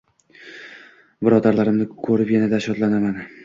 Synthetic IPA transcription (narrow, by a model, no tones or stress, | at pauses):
bɪɾɒd̪aɾlaɾɪmnɪkʰɵɾɪpjanad̪aʃɒd̪lanaman